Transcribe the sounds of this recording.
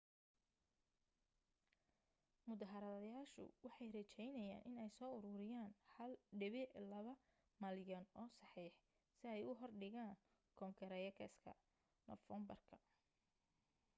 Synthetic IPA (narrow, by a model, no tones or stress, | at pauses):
mʊðɐɦɐɾɐðɐjaːʃʊ̰wɑħɑjrɛt͡ʃɛjnɐja̰ːnʔɪnɛjsɔːʊɾʊɾɪjaːnhɐlɖɪβɪʕlɐβɐ | mɐljɔnɔːsɑħiːħ | sɪɛjʊɦɔrɖɪɣaːn | kʰɔŋkʰɐɾɛjɐkʰɛ̰skʰɐ̰ | nɔfɛmbɐ̰rkʰɐ